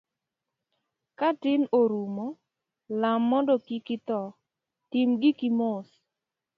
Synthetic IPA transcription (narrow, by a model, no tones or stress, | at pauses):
katɪnoɾumɔ | lamːɔndɔkikɪt̪ɔ | tɪmɡɪkɪmos